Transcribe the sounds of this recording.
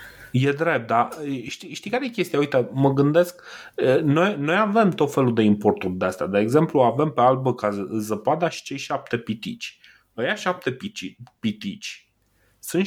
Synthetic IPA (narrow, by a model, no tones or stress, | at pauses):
je̞d̪ɾe̞p̪̚aʃt̪iʃt̪ijkaɾejekʲe̞st̪iauit̪əməɡɨnd̪e̞sk | əno̞jno̞jave̞mt̪o̞t̪fe̞lud̪e̞impo̞rt̪urʲd̪east̪ad̪e̞eɡze̞mpluave̞mpe̞albəkazəpad̪aʃi̥t͡ʃe̞jʃap̚t̪e̞pit̪ḭt͡ʃʲ | vajaʃap̚t̪e̞pit͡ʃipit̪it͡ʃʲ | sɨn